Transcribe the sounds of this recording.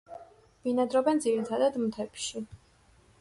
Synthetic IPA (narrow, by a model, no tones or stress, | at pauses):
minad̪ɾɔbɛnd̪ziɾit̪ʰad̪ad̪mt̪ʰɛpʃi